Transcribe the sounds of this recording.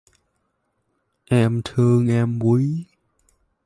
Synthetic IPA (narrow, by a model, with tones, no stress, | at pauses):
ʔɛ˧mt̪ʰɨ˧əŋʔɛ˧mvu˨˦j